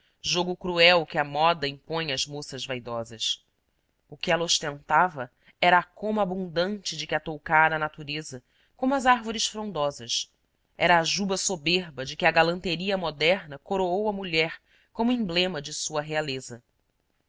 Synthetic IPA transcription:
ʒoɡʊkɾuɛwkɪɐmɔd̪ɐĩpõj̃ɐzmosɐzvajd̪ɔzɐs | ʊkɪɛlɐoʃt̪ẽnt̪avɐ | ɛɾɐːkõmabũnd̪ɐ̃nt͡ʃɪd͡ʒɪkɪat̪owkaɾɐnat̪uɾezɐ | kõmʊɐzaɾvoɾɪʃfɾõnd̪ɔzɐs | ɛɾɐːʒubɐsobeɾbɐd͡ʒɪkɪɐɡalɐ̃nt̪eɾiɐmod̪ɛɾnɐkoɾoowɐmuʎɛɾ | kõmʊĩmblẽmɐd͡ʒɪsuɐɦealezɐ

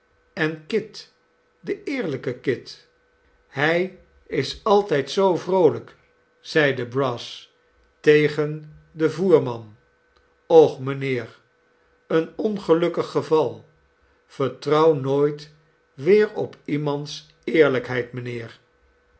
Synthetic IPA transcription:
ɛnkɪt | dəɪːɹləkəkɪt | hɛj | ɪsɑlˠtɛjtsowvrowlək | z̥ɛjdəbrɑs | tejχən | dəvuːɹmɑn | ɔχmənɪːɹ | ənɔnχəlɵkəχəvɑlˠ | v̥əɹtrɑwnoːjt | ʋɪːɹɔpimɑnts | ɪːɹləkɦɛjtmənɪːɹ

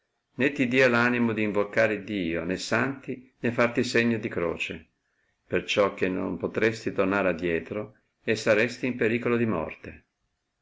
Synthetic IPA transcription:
net̪ːid̪iːalanimod̪iːɱvokːaːɾed̪ːiːo̰nesant̪inefːart̪iseɲːod̪ikɾo̰ːt͡ʃe | pert͡ʃɔk̟ːenːo̰mpot̪ɾest̪it̪ornaːɾead̪ːjɛːt̪ɾo | esːaɾest̪iːmpeɾiːkolod̪imɔ̰rt̪e

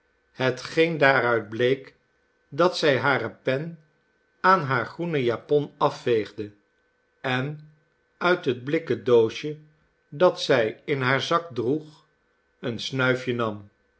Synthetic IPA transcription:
ɦətχejndaːɾœɥd̚blejk | dɑtsɛjɦaːrəpɛn | aːnɦaːɹχrunəjapɔnɑfːejχdə | ɛn | œɥtɦəd̚blɪkədowʃə | dɑtsɛjɪnɦaːɹzɑk̚druχ | ənsnœɥfjənɑm

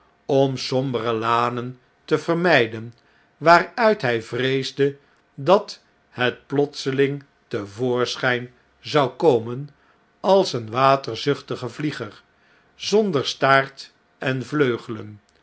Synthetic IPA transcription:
ɔmsɔmbərəlaːnən | təvərmɛjdən | ʋaːrœɥtɦɛjvrejzdə | dɑt | ɦət̚plɔtsəlɪŋ | təvʊːɹsχɛjn | zɑwkowmən | ɑlˠsənʋaːtəɹzɵχtəχəvliχəɹ | z̥ɔndəɹstaːɹt | ɛnvløɥχələn

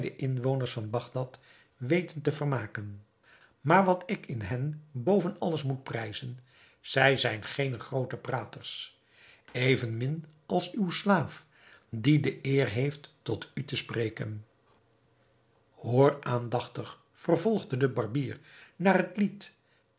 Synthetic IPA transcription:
dəʔɪnʋownəɹsfɑnbɑχdɑt | ʋejtəntəvərmaːkən | maːɹʋɑtɪkɪnɦɛnbowvənɑ̰ləsmut̚prɛjzən | z̥ɛjzɛjnχejnəχrowtəpraːtəɹs | ejvənmɪn | ʔɑlˠsywslaːf | didəʔɪːrɦejftː | ɔtytəsprejkən | hoːraːndɑχtəχ | fərvɔlˠχdədəbɑɹbiːrnaːrɦətlit

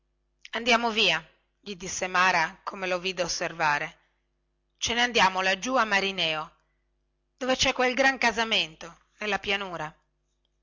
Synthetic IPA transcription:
and̪jaːmoviːa | ʎid̪isːemaːɾakʰomeloviːd̪eosːervaːɾe | t͡ʃeneand̪jaːmolad͡ʒuamːaɾinɛːo | d̪̥ovet͡ʃɛkːwelɡɾaŋkazament̪o | nelːapjanuːɾa

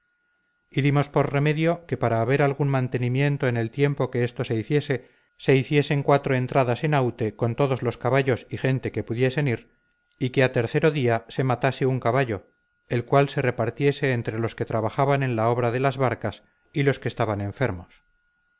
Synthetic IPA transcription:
iðimo̞spo̞ɾre̞me̞ðjo̞ke̞paɾaːβe̞ɾalɣunmãnt̪e̞nimje̞nt̪oene̞lt̪je̞mpo̞keest̪o̞se̞iθje̞se̞ | se̞iθje̞se̞ŋkwat̪ɾo̞e̞nt̪ɾaðase̞nawt̪e̞ko̞nt̪o̞ðo̞zlo̞skaβaʝo̞sixe̞nt̪e̞ke̞puðje̞se̞niɾ | ikeat̪e̞ɾθe̞ɾo̞ðiase̞mat̪ase̞uŋkaβaʎo̞ | e̞lkwalse̞re̞paɾt̪je̞se̞ːnt̪ɾe̞lo̞ske̞t̪ɾaβaχaβanẽ̞nlao̞β̞ɾaðe̞lazβaɾkas | ilo̞ske̞ːst̪aβanẽ̞ɱfe̞ɾmo̞s

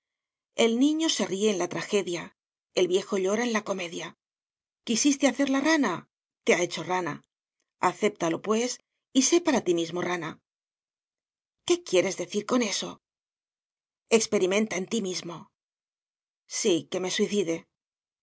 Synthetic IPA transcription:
e̞lnĩɲo̞se̞rie̞ːnlat̪ɾaxe̞ðja | elβje̞xo̞ʎo̞ɾae̞nlako̞me̞ðja | kisist̪e̞aθe̞ɾlarana | t̪e̞ae̞t͡ʃo̞rana̰ | aθe̞p̚t̪alo̞pwe̞s | ise̞paɾat̪imizmo̞rana | ke̞kje̞ɾe̞zðe̞θiɾko̞ne̞so̞ | e̞kspe̞ɾimẽ̞nt̪aent̪imizmo̞ | sike̞me̞swiθiðe̞

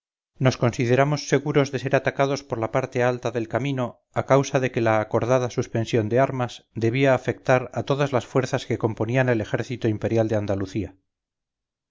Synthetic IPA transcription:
no̞sko̞nsiðe̞ɾamo̞sːe̞ɣuɾo̞zðe̞se̞ɾat̪akaðo̞spo̞ɾlapaɾt̪e̞alt̪aðe̞lkamĩno̞ | akawsaðe̞kelaːko̞ɾðaðasuspe̞nsjo̞nd̪e̞aɾmazd̪e̞βiaːfe̞k̚t̪aɾat̪o̞ðazlasfwe̞ɾθaske̞ko̞mpo̞niane̞le̞xe̞ɾθit̪oimpe̞ɾjald̪e̞and̪aluθia

